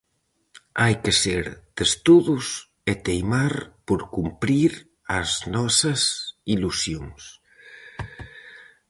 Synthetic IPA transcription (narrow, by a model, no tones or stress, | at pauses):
ajkeseɾd̪̥est̪uðus | et̪ejmaɾpoɾkumpɾiɾ | aznɔsɐsilusjoŋs